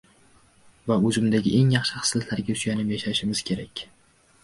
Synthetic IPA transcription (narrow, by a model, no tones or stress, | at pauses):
vaɵzɪmd̪aɡʲɪ̰ʔe̞ŋjɑχʃɪχɨ̥slɪt̪laɾɡʲaʊ̥ʃt͡ʃɡʲanɪpjaʃaɪʃɪmɪz̥kʲʰe̞ɾakʲ